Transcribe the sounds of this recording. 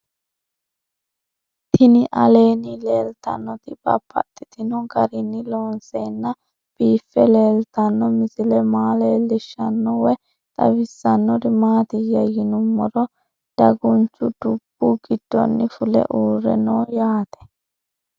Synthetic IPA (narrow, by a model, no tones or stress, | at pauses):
t̪ʰɪnɪʔɐleːnɪleːlt̪ɐ̰nːɔt̪ɪb̥ɐ̰pʰːɐ̰t̪ʼːɪt̪ɪnɔɡɐɾɪnːɪloːnseːnːɐ | b̥iːfːɛle̞ːlt̪ɐnːɔmɪsɪlɛmaːleːlːɪʃːɐnːɔwɛ | t̪ʼɐ̰wɪsːɐnːɔɾɪmaːt̪ɪjɐjɪnʊmːɔɾɔ | d̪̥ɐɡʊnt͡ʃːʊd̪ʊb̥ːuɡɪd̪̥ːɔ̰nːɪfʊlɛ̰ʔuːrːɛ̰noːjaːt̪ɛ̥